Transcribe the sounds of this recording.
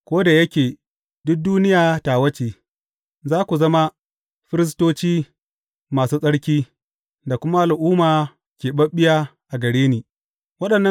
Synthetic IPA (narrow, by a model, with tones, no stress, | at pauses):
kʷoː˦da˨jɐ˦kʲeː˨ | dʊ˦k̚duː˦nɪ˦jaː˨taː˨wɐ˦t͡ʃeː˨ | zaː˦kʷu˨zɐ˦ma˦ | ɸɪ˦ɾɪ˦s̬toː˦t͡ʃiː˦ | maː˨suː˦sʼɐ˦ɽkʲiː˦ | da˨kʷʊ˦ma˦ʔa˨lʔuː˦maː˨ | kʲeː˨ɓɐ˦ɓɪ˦ja˦ʔa˨ɡɐ˨ɽeː˦niː˨ | wɐ˦ɗɐ˨nːɐ˦